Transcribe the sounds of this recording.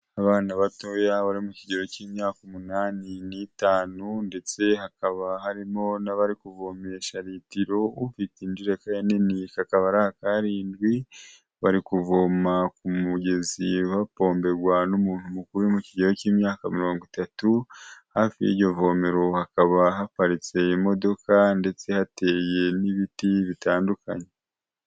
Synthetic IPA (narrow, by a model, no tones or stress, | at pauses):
aβaːnaβato̞jaβaɾimuciɟe̞ɾo̞ciːmɲaːkumunaːninitaːnunde̞t͡se̞hakaβaɦaɾimo̞naβaɾikuvo̞me̞ʃaɾitiɾo̞uvitind͡ʒiɾekajaninikakaβaɾahakaɾiːndɡwi | βaɾikuvo̞makumuɡe̞ziβapo̞ːmbe̞ɡwanumuːn̥humukuɾumuciɟeɾociːmɲaːkamiɾo̞ːŋɡwitatuhaːfijḭɟo̞vo̞me̞ɾo̞hakaβaɦapaɾit͡se̞imo̞do̞kande̞t͡se̞hate̞ːje̞niβitiβitaːnduka̰ɲe